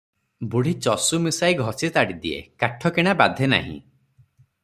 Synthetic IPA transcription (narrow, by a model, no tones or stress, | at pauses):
buɽ̤it͡ʃɔsumisajɡʱɔsit̪aɽid̪iḛkaʈʰɔkeɽ̃abad̪ʱena̰ɦḭ̃